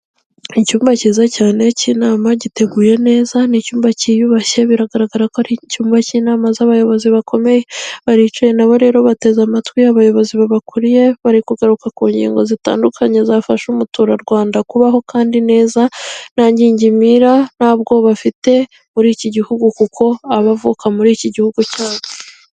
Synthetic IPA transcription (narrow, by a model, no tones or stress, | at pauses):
icuːmbaciːzacaːne̞ciːnaːmaɟite̞ɡuːje̞ne̞ːzanicuːmbacijuβaçe̞βiɾaɡaɾaɡaɾakoaɾicuːmbaciːnaːmazaβajo̞βo̞ziβakʰo̞me̞jeβaɾit͡ʃuje̞naβo̞ɾe̞ːɾo̞βate̞zamatwiaβajo̞βo̞ziβaβakuɾije̞βaɾikuɡaɾukakuːɲɟḭːŋɡo̞zita̰ːndukʰaɲe̞zafaʃumutuɾaɾɡwaːndakuβaɦo̞kaːndine̞ːzanaːɲɟiːɲɟimiɾanaːbɡo̞βafite̞ | muɾiːciɟihuɡukukʰo̞aβavukamuɾiːciɟihuɡucaːwe